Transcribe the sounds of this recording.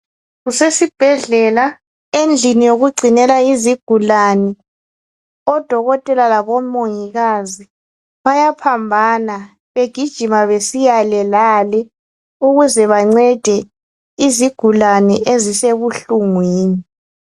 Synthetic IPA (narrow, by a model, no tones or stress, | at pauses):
ɣusesib̥ʱɛɮɛla | end͡ɮʱinijoɣuɡ͡ǀʱinɛlaiziɡ̥ʱulanɛ | ɔd̥ʱɔɣɔtʼɛlalaβɔmoŋiɣazi | βajapʰambʱana | βeɡ̥ʱid̥ʒ̥ʱimaβesijalɛlalɛ | uɣuzɛβaŋ͡ǀɛd̥ʱɛ | iziɡ̥ʱulanɛʔeziseβuɬuŋwiːni